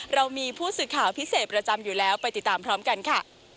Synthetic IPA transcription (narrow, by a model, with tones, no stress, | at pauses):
ɾa˧wmiː˧pʰuː˥˩sɯː˨˩kʰaː˨˩˦wpʰi˦˥seː˨˩t̪̚pɾa˧t͡ɕa˧mjuː˨˩lɛː˦˥wpa˧jt̪i˨˩t̪ːaː˧˩mpʰɾɔː˦˥mka˧nkʰa˥˩